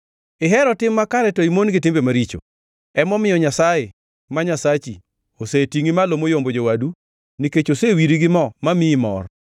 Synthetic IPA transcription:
ɪɦɛɾɔtɪmːakaɾɛtɔimonɡɪtɪmbemaɾit͡ʃo̰ | ɛmɔmɪjɔɲasaje | maɲasat͡ʃi | osetiŋimalomojombod͡ʒowadu | niket͡ʃosewiɾiɡɪmɔmamɪmɔ̰r

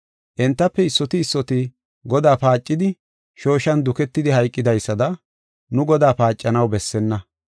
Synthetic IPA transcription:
ʔɛnt̪ːɐpːɛɪsːɔt̪ɪːsːɔt̪ɪ | ɡɔd̪aːpaːt͡ʃʼːɪd̪ɪ | ʃo̞ːʃɐnd̪ʊkɛt̪ːɪd̪ɪhɐjkʼːɪd̪ɐjsːɐd̪ɐ | nʊɡɔd̪aːpaːt͡ʃʼːɐnɐwbɛsːɛnːɐ

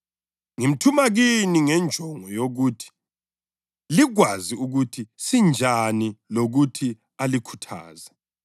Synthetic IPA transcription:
ŋim̩tʰumaɣiniŋɛnd͡ʒʱɔŋɔjoɣutʰi̥ | liɣwaziuɣutʰisind͡ʒʱaniloɣutʰi | alikʰu̥tʰa̰ːza

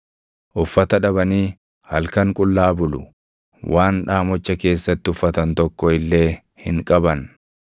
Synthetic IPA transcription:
ʔʊfːɐt̪ɐᶑɐbɐniː | hɐlkɐŋkʼʊlːaːbʊlʊ̰ | wʔaːnᶑaːmɔt͡ʃːɐke̞ːsːɐt̪ːɪʊfːɐt̪ɐnt̪ɔkːɔɪlːe̞ː | hɪŋkʼɐbɐn

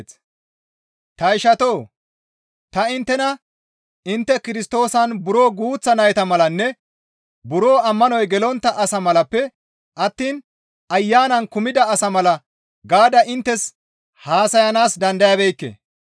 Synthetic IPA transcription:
s | t̪ɐɪʃɐt̪o̞ː | t̪ɐɪnt̪ːɛnɐ | ɪnt̪ːɛkɪɾɪst̪o̞ːsɐnbʊɾo̞ːɡuːt͡sːɐnɐjɛt̪ɐmɐlɐnːɛ | bʊɾo̞ːɐmːɐnɔjɡɛlɔnt̪ːɐʔɐsɐmɐlɐpːɛ | ʔɐt̪ːiːn | ɐjːaːnɐnkʊmɪd̪ɐːsɐmɐlɐ | ɡaːd̪ɐʔɪnt̪ːɛs | haːsɐjɐnaːsd̪ɐnd̪ɐjɐbɛjkːḛ

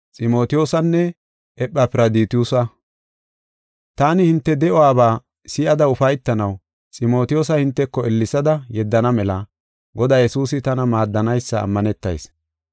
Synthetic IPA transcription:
t͡sʼɪmo̞ːt̪ɪjo̞ːsɐnːɛ | ʔɛpʼːɐpɪɾɐd̪iːt̪ɪuːsɐ | t̪aːnɪhɪnt̪ːɛd̪ɛʔɔwaːbaː | sɪʔɐd̪ɐʊfɐjt̪ːɐnɐw | t͡sʼɪmo̞ːt̪ɪjo̞ːsɐhɪnt̪ːɛkːɔɛlːɪsɐd̪ɐjɛd̪ːɐnɐmɛlɐ | ɡɔd̪aːjɛsuːsɪt̪ɐnɐmaːd̪ːɐnɐjsːɐ̰ːmːɐnɛt̪ːɐ̰js

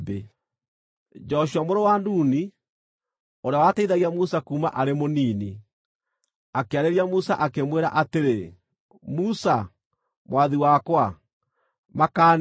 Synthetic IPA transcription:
be | d͡ʒɔɕuamoɾowanduːni | oɾeawataiðaɣiamusakuːma̰ʔaɾemoniːni | akeaɾeɾiamusa̰ʔakemweɾa̰ʔateɾe | musa | mwaðiwakwa | makan

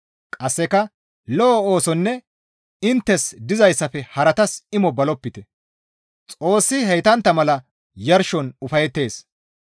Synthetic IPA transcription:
kʼɐsːɛkɐ | lɔːoːsɔnːɛ | ɪnt̪ːɛsd̪ɪzɐjsːɐfɛhɐɾɐt̪ɐsɪmɔbɐlɔpːɪt̪ɛ | t͡sʼo̞ːsːɪɦɛjt̪ɐnt̪ːɐmɐlɐ | jɐɾʃɔnʊfɐjɛt̪ːe̞ːs

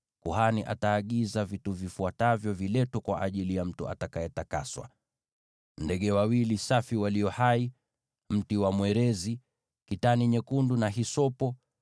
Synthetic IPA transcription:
kuhaniʔa̰taːɠizavituvifuatavjɔvilɛtɔkwa̰ʔaʄilijam̩tuʔa̰takaɛtaka̰swa̰ | ndɛɠɛwawilisafiwaliɔhai | m̩tiwamwɛɾɛzi | kitaniɲɛkundunaɦisɔpɔ

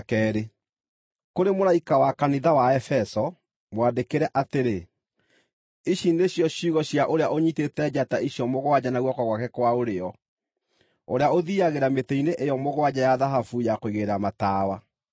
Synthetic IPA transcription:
kɛːɾe | koɾemoɾaikawakaniðawaɛfɛsɔ | mwandekeɾɛʔateɾe | iɕineɕjɔɕuɣɔɕjaʔoɾeaʔoɲitetɛd͡ʑataiɕjɔmoɣwad͡ʑanaɣwɔkwaɣwakɛkwaoɾeɔ | oɾeaoðiaɣeɾameteineʔejɔmoɣwad͡ʑajaðaɦafujakoiɣeɾamataːwa

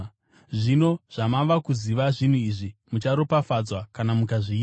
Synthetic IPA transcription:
ʐino̞ʐ̥amaʋakuziʋaʐin̤uiʐimut͡ʃaɾopafad͡zwakanamukaʐiː

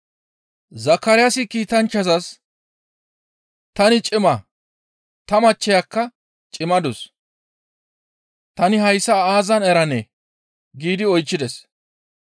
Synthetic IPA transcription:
zɐkːɐɾɪjasɪkiːt̪ɐnt͡ʃːɐzɐs | t̪ɐnɪt͡ʃʼɪmɐ | t̪ɐmɐt͡ʃːɛjakːɐ | t͡ʃʼɪmɐd̪ʊs | t̪ɐnɪɦɐjsːɐaːzɐnɛɾɐnɛ | ɡiːd̪ɪɔjt͡ʃːɪd̪ɛs

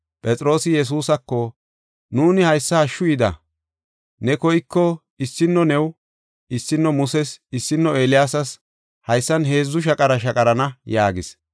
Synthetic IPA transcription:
pʼɛt͡sʼɾo̞ːsɪjɛs̬uːsɐkːɔ | nuːnɪhɐjsːɐːʃːʊjɪd̪ɐ̰ | nɛkɔjkːɔ | ɪsːɪnːɔnɛw | ɪsːɪnːɔmʊsɛsɪsːɪnːɔeːlɪjaːsɐs | hɐjsːɐnɦe̞ːzːʊʃ̬ɐkʼɐɾɐʃɐkʼɐɾɐnɐjaːɡɪs

